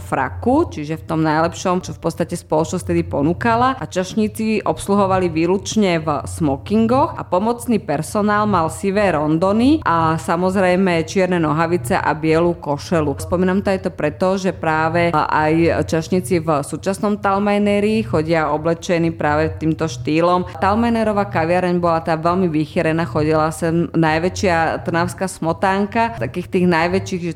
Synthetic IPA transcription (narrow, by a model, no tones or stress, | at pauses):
fɾa̰kut͡ʃiʒɛft̪ɔmnajlɛpʃɔmt͡ʃɔfpɔt̪st̪acɛspɔlɔt͡ʃnɔst̪ɛd̪ipɔnukalaat͡ʃaʃɲit͡siʔɔpsluɦɔʋaliʋiːlut͡ʃɲɛvsmɔkiŋɡɔxʔa̰pɔmɔt͡snipɛɾsɔnaːlmalsiʋɛːɾɔnd̪ɔniʔasamɔzɾɛjmɛt͡ʃɪɛɾnɛnɔɦaʋit͡sɛʔa̰bɪɛlukɔʃɛluspɔmiːnamt̪ɔajt̪ɔpɾɛt̪ɔʒɛpɾaːʋɛa̰jt͡ʃaʃɲit͡sivsuːt͡ʃasnɔmt̪almajnɛɾiːxɔɟɪaɔblɛt͡ʃɛniːpɾaːʋɛt̪iːmt̪ɔʃt̪iːlɔmt̪almajnɛɾɔʋaːkaʋɪaɾɛɲbɔlat̪aːʋɛlmiʋixɛɾɛnaxɔɟilasɛnnajʋɛt͡ʃɪatt̪r̩naʊskaːsmɔt̪aːŋkat̪akiːxt̪iːɣnajʋɛt͡ʃiːɣ